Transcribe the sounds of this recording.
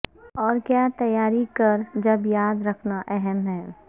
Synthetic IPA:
ɔːɾkjaːt̪ɐjːaːɾikɐɾd͡ʒɐbjaːd̪ɾɐkʰnaʔɛɦɛmɦɛː

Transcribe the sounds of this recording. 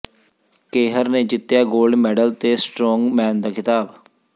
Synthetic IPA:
keːɦəɾneːd͡ʒɪt̪ːjaːɡoːlɖmɛːɖəlt̪eːsʈɾɔːŋɡmɛːnd̪aːkʰɪt̪aːb

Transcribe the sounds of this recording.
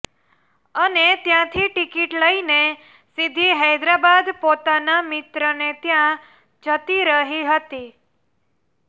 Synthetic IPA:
ənet̪jãt̪ʰiʈikiʈləine | sid̪ʱiɦɛjd̪ɾabad̪pot̪anamɪt̪ɾənet̪jã | d͡ʒʱət̪iɾəɦiɦət̪i

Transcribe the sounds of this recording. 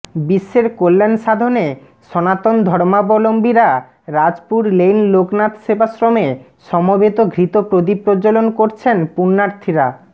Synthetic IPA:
biʃːeɾkolːenʃad̪ʱone | ʃɔnat̪ond̪ʱɔɾmabolombiɾa | ɾad͡ʑpuɾlejnloknat̪ʃebasɾome | ʃɔmobet̪oɡʱɾit̪opɾod̪ipɾod͡ʑolonkoɾt͡ɕʰenpunːaɾt̪ʰiɾa

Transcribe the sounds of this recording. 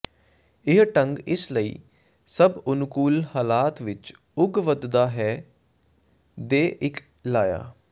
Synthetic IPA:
ɪɦʈəŋɡɪsləḭː | səbʊnkuːlhaːlaːt̪ʋɪt͡ʃ | ʊɡʋəd̪d̪aːɦɛː | d̪eːʔɪk | laːja̰ː

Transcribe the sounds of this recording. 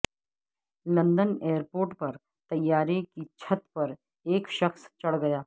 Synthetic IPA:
lɐ̃nd̪əneːəɾpoːɾʈpɐɾ | t̪ɐjːaːɾekit͡ʃʰɐt̪pɐɾ | eːkʃɐxst͡ʃɐɽɡɐjaː

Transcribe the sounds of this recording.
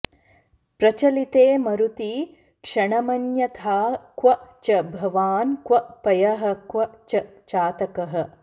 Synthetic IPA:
pɾɐt͡ʃɐlit̪eːmɐɾut̪i | kʂɐɳɐmɐnjɐt̪ʰaːkʋɐt͡ʃɐbʱɐʋaːnkwɐpɐjɐɦɐ̆kʋɐt͡ʃɐt͡ʃaːt̪ɐkɐɦɐ̆

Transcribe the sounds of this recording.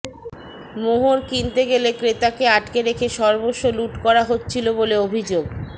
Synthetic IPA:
moɦoɾkint̪eɡelekɾet̪akeaʈkeɾekʰeʃɔɾboʃoluʈkɔɾaɦotːt͡ɕʰiloboleobʱid͡ʑoɡ

